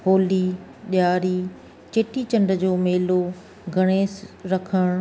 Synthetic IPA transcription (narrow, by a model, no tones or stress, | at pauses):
ɦoːli | ɗjaːɾiː | t͡ɕeːʈit͡ɕɐ̃ɳɖʱəd͡ʑoːmeːlo | ɡʱɐɽ̃eːsɾɐkʰəɽ̃